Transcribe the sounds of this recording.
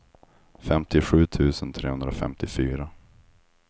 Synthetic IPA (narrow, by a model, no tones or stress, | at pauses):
fɛmt̪ɪɧʉ̟ːt̪ʰʉ̟ːsənt̪ʰɾeːhɵnd̪ɾafɛ̰mt̪ɪfyːɾa